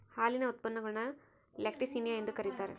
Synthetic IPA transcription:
haːlɪnɐʊt̪̚pɐnːɐŋɡɐɭnaː | lek̚ʈisinjaɛnd̪ɯkɐɾɪt̪ːaːɾɯ̰

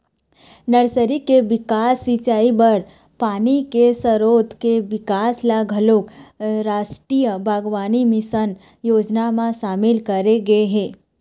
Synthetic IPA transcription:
nəɾsəɾikeʋɪkaːsːit͡ʃaːibəɾ | paːnikesəɾoːt̪keʋɪkaːslaɡʱəlokɾaːʃʈɾijəbaːɡʋaːnimɪsən | joːd͡ʒnamãʃaːmɪlkəɾeɡɐeɦẽː

